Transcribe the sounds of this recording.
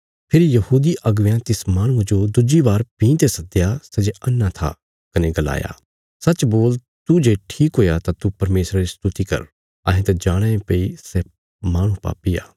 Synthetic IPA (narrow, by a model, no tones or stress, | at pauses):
pʰɪɾijɐhuːd̪iʔɐɡʋjãt̪ɪsmaːɽ̃ʊ̃ãd͡ʒod̪ʊd͡ʒibaːɾpĩːt̪esɐd̪ejasɛd͡ʒeɐnːãt̪ʰa̰ | kɐneɡɐla̰ːja̰ː | sɐtːt͡ʃboːl | t̪ud͡ʒeːʈʰiːkɦoːjat̪at̪upɐɾmeːsɾaɾist̪ʊt̪ikɐ̰ɾ | ɐɦẽt̪ɛd͡ʒaːɽ̃ɛ̃ẽpeisɛ | maːɽ̃ũpa̰ːpia̰ː